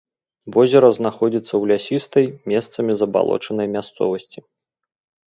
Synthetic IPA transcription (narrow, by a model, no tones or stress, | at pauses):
vɔzʲɛɾɐznaxɔd͡zʲit̪sːɐwlʲasʲist̪ɐjmʲɛst̪sɐmʲizɐba̰lˠɔ̰t͡ʂɐnɐjmʲast̪sɔ̰vɐsʲt͡sʲi